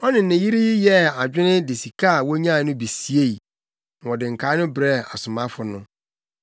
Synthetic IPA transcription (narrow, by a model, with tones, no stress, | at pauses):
ɔ˦nɪ̃˨nːɪ̃˨ji˦ɾi˦jɪ˦jɛ˦a˨d͡ʑᶣɪ̃˦nɪ̃˦dɪ˨si˨kʰa˦˨wɔ˦ɲã˦˨˦nʊ̃˦bi˨si˨e˦˨i˨ | ɔ˨dɪ̃˨ŋ̩˨kʰa˨˦nʊ̃˦bɾɛ˦˨a˨sʊ˨mã˦fʊ˨nʊ̃˦